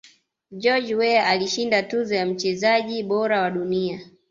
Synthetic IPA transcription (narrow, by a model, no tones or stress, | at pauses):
d͡ʒɔd͡ʒwɛaliʃindatuzɔjam̩t͡ʃɛzaʄiɓɔɾawaɗunia